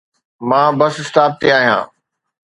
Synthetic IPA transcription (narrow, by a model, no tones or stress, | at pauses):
mãːbɐsɪst̪aːb̚t̪eaːɦijã̰ː